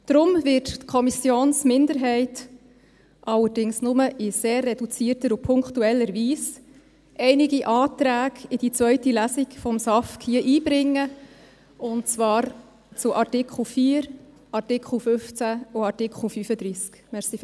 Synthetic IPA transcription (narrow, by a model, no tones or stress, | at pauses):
d̪̥ɾʊmvɪttkʰɔmisjoːnsmɪnd̪əɾɦɛɪt | ʔɑlːəɾdɪŋsnʊməʔɪseːrːɛdut͡siːəɾtəɾupʰʊŋkχtuɛlːəɾʋiːs | ʔɛɪnɪɡiʔɑːtɾæːɡɪd̥it͡sʋœʏtilæsikfɔmsɑfkhiəʔiːb̥ɾɪŋːə | ʊnt͡svɑːɾ | t͡sʊʔɑɾtɪkʰχl̩fiːɾ | ʔɑɾtɪkχl̩fʏft͡sæʊɑɾtɪkʰχl̩fyfəd̪ɾiːskmɛʁsif